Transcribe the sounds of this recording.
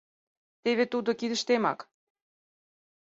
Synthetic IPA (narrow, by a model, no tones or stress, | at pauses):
t̪eβet̪ud̪okid̪ə̆ʃt̪emɑ̰k